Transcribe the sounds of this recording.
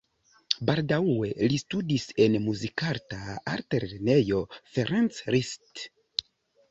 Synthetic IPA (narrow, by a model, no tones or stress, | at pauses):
baldawwe̞listudise̞nmuzikaɾtaa̰ɾteɾene̞jo̞feɾant͡sɾist